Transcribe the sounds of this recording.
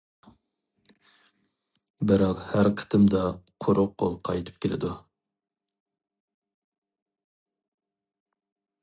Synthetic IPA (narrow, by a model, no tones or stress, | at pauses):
bɪɾɑqhæɾqʰə̥t̪ʰɨmd̪ɑqʰoɾʔʊqqʰːo̰lˠqʰɑjt̪ʰɨ̥p̚kʲʰelɪ̰d̪u